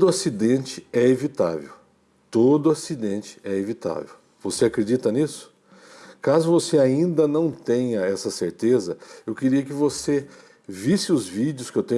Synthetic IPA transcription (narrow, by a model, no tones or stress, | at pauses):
d̪ʊasid̪ẽnt͡ʃɪɛevit̪a̰vḛw | t̪od̪ʊasid̪ẽnt͡ʃɪ̥ɛevit̪a̰vḛw | v̥oseakɾed͡ʒit̪ɐnisʊ̥ | kazʊvoseaĩnd̪ɐnɐ̃w̃t̪ẽɲɐɛsɐseɾt̪ezɐewkeɾiɐkɪvose | visɪʊzvid͡ʒɪʊskɪewt̪ẽɲ